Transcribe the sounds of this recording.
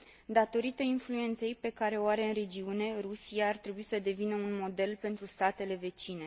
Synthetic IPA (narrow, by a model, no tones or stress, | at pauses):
d̪at̪o̞ɾit̪einflue̞nt̪se̞jpe̞kaɾe̞oaɾe̞ɨnɾe̞d͡ʒiune̞rusiaːrt̪ɾebuisəd̪e̞vinəunmo̞d̪e̞lpe̞nt̪ɾust̪at̪e̞le̞ve̞t͡ʃine̞